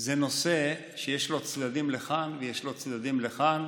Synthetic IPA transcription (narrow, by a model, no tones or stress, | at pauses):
zeno̞se | ʃejeʃlo̞t͡sd̪ad̪imleχanvejeʃlo̞t͡sd̪ad̪imleχan